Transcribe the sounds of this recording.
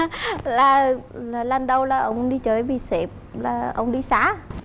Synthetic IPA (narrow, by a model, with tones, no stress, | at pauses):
laː˨˩laː˨˩lə˨˩nɗə˧wlaː˨˩ʔə˧wŋ͡mɗi˧t͡ɕəː˨˦jɓi˨˩sɛ˨˩p̚laː˨˩ʔə̰˧wŋ͡mɗi˧saː˨˦